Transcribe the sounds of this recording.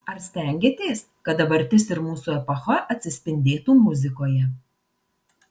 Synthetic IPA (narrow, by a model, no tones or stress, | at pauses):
ɐɾsʲt̪ʲɛˑŋʲɡʲeːt̪ʲeːs | kɐt̪̚d̪ɐbɐɾʲt̪ʲɪsɪɾmuːsuɛpɐxɐʔɐt̪ʲsʲɪsʲpʲɪnʲd̪ʲeːt̪uːmʊzʲɪkoːjɛ